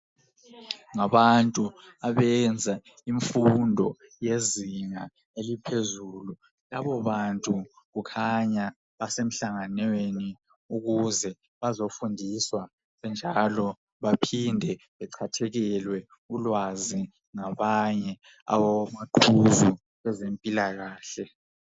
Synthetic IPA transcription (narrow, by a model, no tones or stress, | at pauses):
ŋaβantʼu | aβɛnd͡zʱa | iɱfundʱɔjeziŋa | elipʰezulu | laβɔβantʼu | ɣukʰaɲa | βasem̩ɬaŋaneni | uɣuzɛ | βazofundʱiswa | βɛnd͡ʒʱalɔ | βapʰindʱɛ | βɛǀʰatʰɛɣɛlwɛ | ulwazi | ŋaβaɲɛ | a̰wamaǃʰuzu | ɣɛzempʼilaɣaːɬɛ